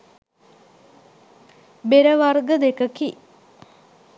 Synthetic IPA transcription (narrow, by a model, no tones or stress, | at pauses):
beɾəʋarɡəd̪ekəki